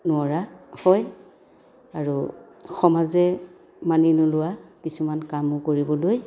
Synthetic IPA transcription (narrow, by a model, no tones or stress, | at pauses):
nʊaɹahɔj | aɹu | xɔmazɛ | maninʊlʊwakisumankamʊkoɹibɔloj